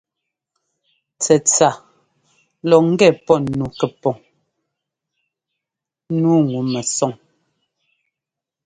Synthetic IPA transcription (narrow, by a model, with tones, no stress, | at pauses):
t͡sɛ˨t͡sa˨ | lɔ˨ŋ̩˦ɡɛ˦˨pɔ˦nnu˨kɛ˨pɔ˨ŋ˦ | nuː˨˦ŋu˨mɛ˨sɔ˨ŋ